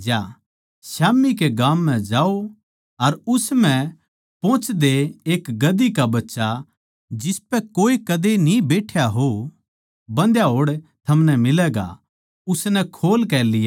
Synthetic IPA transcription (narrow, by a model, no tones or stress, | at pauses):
d͡ʒjaː | saːmːik̬eɡãːmːɛ̃d͡ʒaːo | ɐɾʊsmɛ̃ | põːt͡ʃd̪eeːkɡɐd̪ikabɐtːʃa | d͡ʒɪspɛkoːikɐd̪enĩbeːʈʰjaɦo | bɐ̃nd̪jaɦoːɽt̪ʰɐmnɛmɪlɛːɡa̰ | ʊsnɛkʰoːlkɛːlɪjaː